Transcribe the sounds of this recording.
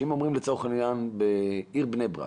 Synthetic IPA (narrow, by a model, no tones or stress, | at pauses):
imomʁimlet͡soχeninjanbeiʁbnejbʁa̰